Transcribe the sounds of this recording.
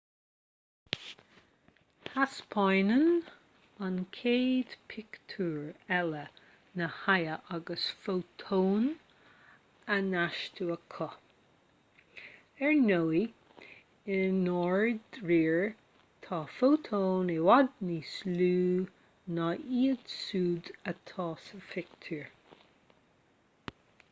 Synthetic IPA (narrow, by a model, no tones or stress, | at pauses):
haspʰɔjnən | ənkʰeːd̪̥pʰɪkt̪ʰuːɹɛlə | nəhajəʔaɡəsfowt̪ʰoːn | ənaʃtʰuəkʰɔ | ɛɹnowi | ɪnɔɹdɹiːɹ | t̪ʰɑːfoːt̪ʰoːnewad̪̚nisluː | nɑʔiːəd̪̥suːd̪ət̪ʰɑːsəfɪkt̪ʰuːɹ